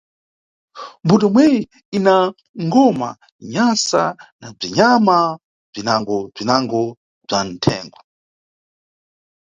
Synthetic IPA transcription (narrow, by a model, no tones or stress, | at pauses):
mbutɔmwɛji | ina | ŋɡɔma̰ | ɲasa̰nab͡ʐiɲama | b͡ʐinaŋɡɔb͡ʐinaŋɡɔ | b͡ʐan̩tʰɛ̰ːŋɡwa